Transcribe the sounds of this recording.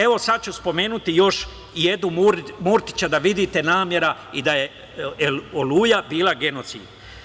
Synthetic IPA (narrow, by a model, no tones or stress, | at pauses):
e̞ʋo̞sad̪̚t͡ɕuspo̞me̞ːnut̪ijo̞ʃ | je̞d̪nummuɾt̪i̥t͡ɕad̪aʋid̪iːt̪e̞naːmje̞ɾaid̪aje̞ | olujabiːlˠaɡe̞no̞t̪sḭːd̪